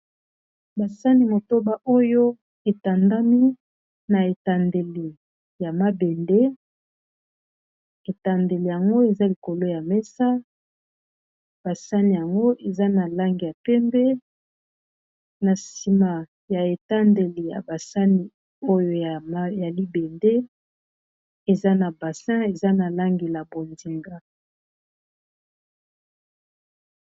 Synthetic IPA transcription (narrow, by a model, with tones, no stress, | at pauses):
ba˨sa˦ni˨mo˨to˦ba˦ʔo˦jo˦ | e˨ta˨nda˦mi˦ | na˨e˨ta˨nde˨li˨ | ja˨ma˦be˨nde˦ | e˨ta˨nde˨le˨ja˨ŋɡo˦e˨za˦li˨ko˨lo˦ja˨mɛ˦sa˦ | b̥a˨sa˦ni˨ja˨ŋɡo˦ʔe˨za˦na˨la˦ŋɡi˨ja˨pɛ˦mbɛ˦ | na˨si˨ma˨ | ja˨e˨ta˦nde˨li˨ja̰˨ba˨sa˦ni˨ | o˦jo˨a˨˦ja˨li˦be˨nde˦ | e˨za˦na˨ba˨sɛ̃˦e˨za˦na˨la˦ŋɡe˨la˨bo˨ndi˨ŋɡa˦